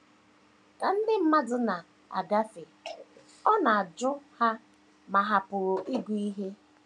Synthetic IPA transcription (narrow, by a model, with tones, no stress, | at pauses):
ka˨n̩˦dɪ˦m̩˦ma˦dʊ˨na˨ | a̰˨ɡa˦fe˨ | ɔ˦na˨a˨d͡ʒʊ˦ha˦ | ma˨ɦa˨pʊ˨i˦ɡʷu˨˦i˦ɦe˦